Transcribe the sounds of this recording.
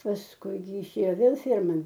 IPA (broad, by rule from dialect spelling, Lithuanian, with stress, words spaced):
pɐsˈkʊɪ jɪˈʃʲeːjoː ˈʋʲeːlˠ ˈfʲɛrmɐn